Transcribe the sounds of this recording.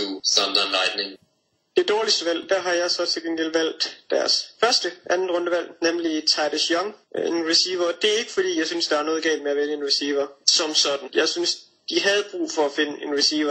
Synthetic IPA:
usɑnd̥ɐnʁaɪd̥neŋ | d̥e̝d̥ɒːlisd̥əʋæl̰d̥æɦɑ̈jɑ̈ɪsɒ̽t͡sʰe̝lɡ̥eŋ̰ɡ̥elʋæl̰d̥ːæɐsfɶɐsd̥əʔænn̩ʁɔnd̥əʋæl̰nemlit͡sʰɑ̈ɪd̥esjɒŋenʁisiːʋɐd̥e̝æɐe̝ɡ̥əfɒd̥ḭːjɑ̈ɪsynsd̥ɑ̈æɐnɔ̽ːðˠɡ̥ɛ̰ːld̥meæʋeləe̝nʁisiːʋɐsɒ̽msɒ̽d̥n̩jɑ̈ɪsyns | d̥iɦæð̞̩ˠb̥ʁṵːfɒ̽æfe̝nəʔe̝nʁisiːʋɐ

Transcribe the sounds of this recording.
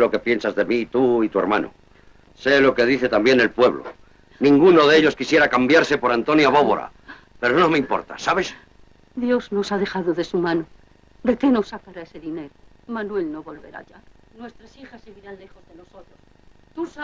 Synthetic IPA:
lo̞ke̞pje̞nsazðe̞mit̪uit̪ue̞ɾma̰nʔo̰ | se̞lo̞ke̞ð̞iθe̞t̪ambje̞ne̞lpwe̞βlo̰ | nĩŋɡuno̞ð̞eeʎo̞skisje̞ɾakambjaɾse̞po̞ɾant̪o̞njaβo̞βo̰ɾa̰ | pe̞ɾonome̞impo̞̰ɾt̪a̰saβe̞s | d̪jo̞zno̞sað̞e̞xaðoðe̞sumãno | d̪e̞ke̞no̞sːakaɾaese̞ðine̞ɾo | manwe̞lno̞βo̞lβe̞ɾa̰ʝa | nwe̞st̪ɾasixaseβiɾanle̞xozðe̞no̞sot̪ɾos | t̪usa

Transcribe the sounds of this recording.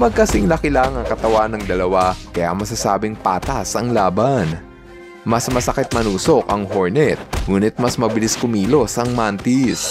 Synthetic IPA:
mɐɡ̚kɐsɪŋlɐkɪlaːŋɐŋkɐt̪ɐwanɐŋd̪ɐlɐwakɐja̰ŋmɐs̬asaːbɪŋpaːt̪ɐsɐŋlaːban | mɐsmɐsɐkɛt̪̚mɐnuːso̞kʔɐŋɦoɹnɛt̪̚ŋuːnɪt̪̚mɐsmɐbɪlɪskʊmiːlo̞sʔɐŋmant̪ɪs

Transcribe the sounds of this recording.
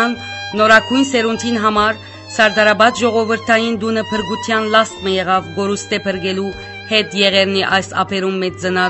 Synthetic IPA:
nːɔɾɑɡʰujnsɛɾunt̪ʰinɦɑmɑɾ | sɑɾd̪ɑɾɑbɑt͡s̪ʒɔʁɔvəɾt̪ʰɑjind̪unəpʰəɾɡut̪ʰjɑnlɑst̪məjɛʁɑvɡɔɾust̪ɛpʰəɾɡɛlu | hɛt̪jɛʁɛɾniʔɑjsɑ̰pʰɛɾumːɛt͡sd͡zənɑ

